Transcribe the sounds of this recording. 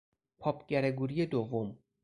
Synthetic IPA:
pʰɒːpʰɟ̥æɾeɡuːɾijed̪ovːom

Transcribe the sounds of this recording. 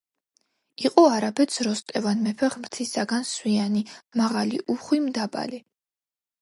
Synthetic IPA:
iqʼɔaɾabɛt̪sʰɾɔst̪ʼɛvanmɛpʰɛχmɾt̪ʰisaɡanswianimaʁalḭʔuχwimd̪aba̰li

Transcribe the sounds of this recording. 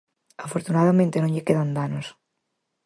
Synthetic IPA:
afoɾt̪unaðamẽnt̪enõɲʎekeðand̪anos

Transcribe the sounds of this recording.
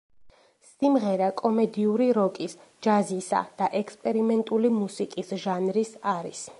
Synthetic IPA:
simʁɛɾakʼɔmɛd̪iuɾiɾɔkʼisd͡ʒazisa̰d̪̥aʔɛkspʼɛɾimɛnt̪ʼulimusikʼisʒanɾisaɾḭs

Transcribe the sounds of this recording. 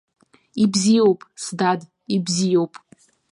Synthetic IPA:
ibzijowpʼsdad | ibzijowpʼ

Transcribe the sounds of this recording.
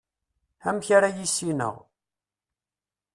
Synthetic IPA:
æmçaɾajisinə̰ʁ

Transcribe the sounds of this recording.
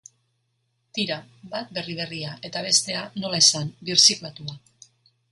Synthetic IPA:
t̪iɾabat̪̚be̞riβ̞e̞riaʔe̞t̪aβ̞e̞st̪e̞ano̞laesambiɾsiklat̪ua

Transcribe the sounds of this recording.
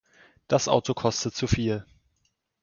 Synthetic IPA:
d̥asʔa̰ʊtokʰɔstət͡sufiːl

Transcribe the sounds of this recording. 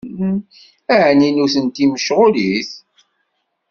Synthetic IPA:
æʕninuθənt̪iməʃʁʊliθ

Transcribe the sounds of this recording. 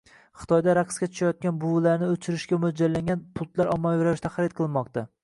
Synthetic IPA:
χɨ̥t̪ʰɒjd̪aɾaqskʲat͡ʃʰʊ̥ʃajɒt̪̚kʲanbʊwlaɾnɪɵt͡ʃʰɪɾɪʃkʲamʊd͡ʒalːaŋɡʲanpʰʊlˠt̪laɾɒmːajeɾaɾɪʃt̪aχaɾɪt̪̚qʰɨlˠmɒq̚t̪a

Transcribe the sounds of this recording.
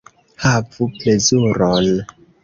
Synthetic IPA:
havuplezuɾɔn

